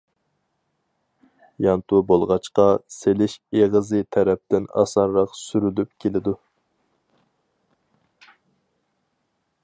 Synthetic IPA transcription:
jɑnt̪ʰubolˠʁɑt͡ʃqɑselɪʃeʁəzɨt̪ʰɛɾɛp̚t̪ɪnɑ̰sɑnɾɑqsyɾylyp̚kʲʰelɪd̪u

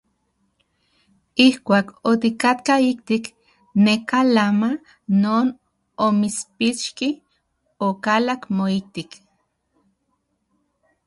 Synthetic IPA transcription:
ihkʷaːkot̪ikat̪kaik̚t̪ik | nekalama | noːn | omit͡spit͡ʃki | okalakmoik̚t̪ik

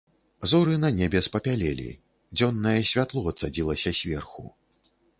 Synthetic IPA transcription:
zuɾɨnɐnʲɛbʲɛspɐpʲalʲɛlʲḭ | d͡zʲɔnːɐjɛsʲvʲat̪lˠɔɐt̪sad͡zʲilˠɐsʲɐsʲvʲɛrxṵ

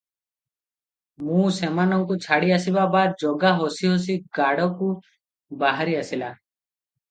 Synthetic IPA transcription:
mũsemanɔŋkut͡ʃʰaɽiasibabad̪d͡ʒɔɡaɦosiɦos̬iɡaɽɔku | baɦaɾiasila

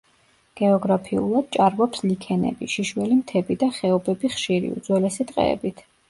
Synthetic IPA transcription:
ɡ̥ɛɔɡɾapʰiṵlˠad̪̥̚t͡ʃʼaɾvɔpslikʰɛnɛ̰bḭʃiʃwɛlimt̪ʰɛbid̪aχɛɔbɛbiχʃiɾḭṵd̪zwɛlɛsit̪ʼqʼɛ̰ɛ̰bit̪ʰ

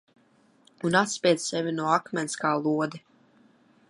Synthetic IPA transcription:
unat̪spʲiɛd̪z̥sɛvinuɔakmʲɛnskaːlˠuɔd̪i

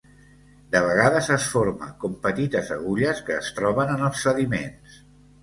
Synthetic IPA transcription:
d̪əβ̞əɣaðəzəsfoɾmə̰kompət̪it̪əzəɣ̞uʎəskəːst̪ɾɔβ̞ənənəlˠsːəðimens

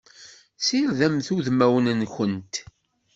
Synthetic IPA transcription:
siɾðæmθuðmæwənənçənt̪

